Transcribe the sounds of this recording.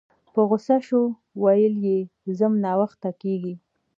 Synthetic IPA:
pəɣʊsaʃo | wajəljezəmnɑwaxt̪akeɡi

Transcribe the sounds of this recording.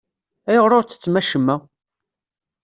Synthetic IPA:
æjəʁɾˤoɾt͡sːə̥t͡sːmæʃəmːæ

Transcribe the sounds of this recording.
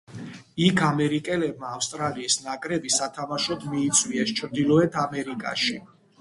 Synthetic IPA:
ikʰamɛɾikʼɛlɛb̚maːfst̪ʼɾaliːsnakʼɾɛbisat̪ʰamaʃɔt̪ʰmiːt̪sʰʼwiɛst͡ʃʰɾd̪ilˠɔɛt̪ʰamɛɾikʼa̰ʃi

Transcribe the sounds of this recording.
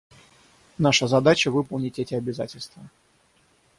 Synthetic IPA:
naʂəzɐd̪at͡ɕəvɨpəlˠnʲɪtʲɛtʲɪɐbʲɪza̰tʲɪlʲst̪və

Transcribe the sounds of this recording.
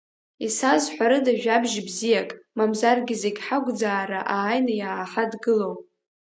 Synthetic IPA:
isazħʷaɾɨdaʒᶣabʒbzijakʼmamzarɡʲɪzeɡʲħaɡʷd͡zaːɾaʔaːjnajaːħadɡɨlo̞wp

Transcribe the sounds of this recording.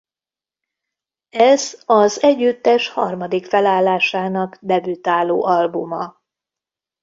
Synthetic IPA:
ɛzɒzɛɟːyt̪ːɛʃhɒrmɒd̪ikfɛlaːlːaːʃaːnɒɡd̪ɛbyt̪aːlo̰ːʔɒlbumɒ

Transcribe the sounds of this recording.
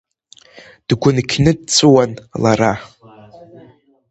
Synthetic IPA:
d̥ɡʷʊnkʲʰnɨd̚t͡sʷʰɨwanlaɾa

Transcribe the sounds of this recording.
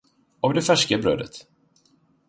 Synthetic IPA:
ɔvd̪ɛfæʂkəbɾœ̰ːd̪ət̪

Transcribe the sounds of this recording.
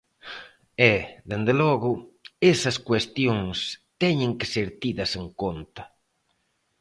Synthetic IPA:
ɛðend̪elɔɣʊesɐskwest̪joŋst̪ɛɲɪ̃ŋkɪseɾt̪iðɐseŋkont̪ɐ

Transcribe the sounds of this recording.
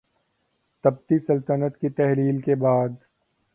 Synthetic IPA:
t̪ɐb̚t̪isɐlt̪ənət̪kit̪ɛɦliːlkebaːd̪

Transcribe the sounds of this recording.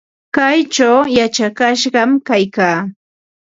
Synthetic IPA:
kajt͡ʃawjat͡ʃakaʃɢɑmkajkaː

